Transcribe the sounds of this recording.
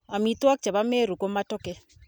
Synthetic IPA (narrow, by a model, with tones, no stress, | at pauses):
a˨mi˦twa˦k̚t͡ʃɛ˨ba˦me˦ɾu˨ko˦ma˦tɔ˦kɛ˦